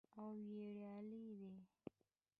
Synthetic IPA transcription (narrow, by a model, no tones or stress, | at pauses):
awweɽjɑlid̪e